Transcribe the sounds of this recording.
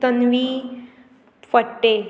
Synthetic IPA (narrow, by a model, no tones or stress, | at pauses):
t̪ənʋi | fəʈːe